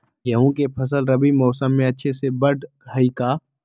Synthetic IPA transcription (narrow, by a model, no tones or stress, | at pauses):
jɐɦũkepʰɐs̬əlɾɐbimɔːsəmːẽɐtːʃʰesebɐʈ | ɐikaː